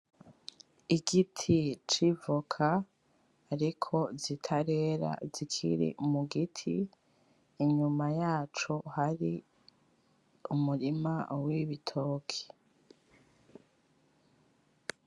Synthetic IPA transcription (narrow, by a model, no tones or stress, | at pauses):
iɡitʰit͡ʃivukʰaː | ɾikʰo̞zitʰaɾe̞ːɾa̰zikʰḭɾḭmuɡitʰḭː | ɲumajaːt͡ʃohaɾi | umuɾimawiβitʰo̞ːkʰe̥